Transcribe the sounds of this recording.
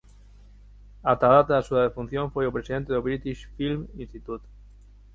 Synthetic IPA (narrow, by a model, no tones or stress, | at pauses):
at̪aðat̪aðasuðaðefun̟θjõɱfwejopɾesiðent̪eoβɾit̪iʃfilminst̪it̪ut̪